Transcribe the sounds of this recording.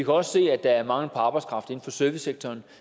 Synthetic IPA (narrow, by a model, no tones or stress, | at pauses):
ikʰæɒ̽sse̝̰ːæd̥ɑ̈æɐmɑ̈ŋl̩pʰɑɑ̈ːb̥ɑ̈ɪskʰʁɑ̈fd̥e̝n̩fɒ̽søɐʋiseɡ̥̚t͡sʰɒːn